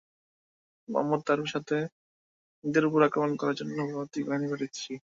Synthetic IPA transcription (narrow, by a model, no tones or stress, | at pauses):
ma̰mːod̪̚t̪aɾuʃat̪ʰe | d̪eɾuɡuɾakɾomankɔɾaɾd͡ʑonːobʱat̪ikbanibaʈiɕʰi